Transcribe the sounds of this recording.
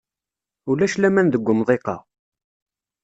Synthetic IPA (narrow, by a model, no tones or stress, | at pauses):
ulæʃlæmænðəɡʷːəmðˤeqɑ̰